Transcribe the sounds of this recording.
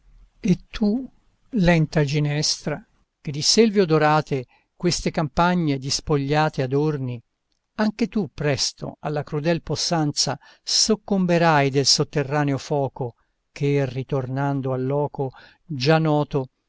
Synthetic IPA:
et̪ʰːu | lɛnt̪ad͡ʒinɛst̪ɾa | k̟ed̪iselvjod̪oɾaːt̪e | kwest̪ekampaɲːed̪ispoʎːaːt̪ead̪orni | aŋket̪upːɾɛst̪o̰a̰lːakɾud̪ɛlposːant̪sa | sokːombeɾajd̪elsot̪ːerːaːneofɔːko | k̟ʰerit̪ornand̪oalːɔːko | d͡ʒanɔːt̪o

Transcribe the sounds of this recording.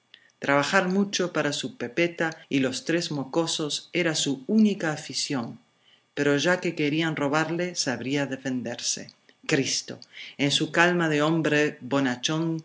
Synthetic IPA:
t̪ɾaβaxaɾmut͡ʃo̞paɾasupe̞pet̪ailo̞st̪ɾezmo̞ko̞so̞se̞ɾasuunikaːfisjoŋ | pe̞ɾo̞ʒakeke̞ɾianro̞β̞aɾlesaβɾiaðe̞fe̞nd̪eɾsḛ | kɾist̪o̞̰ensukalmaðeo̞mbɾeβonat͡ʃoŋ

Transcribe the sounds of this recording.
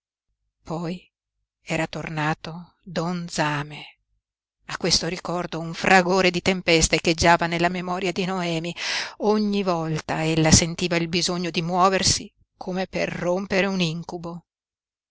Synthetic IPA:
pɔj | ɛːɾat̪ornaːt̪o | d̪ɔnd̪zaːme | akːwest̪oɾikɔrd̪ouɱfrʔaɡoːɾed̪it̪empɛst̪eked͡ʒːaːvanelːamemɔːɾjad̪inoɛːmioɲːivɔlt̪aelːasent̪iːvailbizoɲːod̪imwɔːversi | kʰomepḛrːompeɾeuniŋkubo

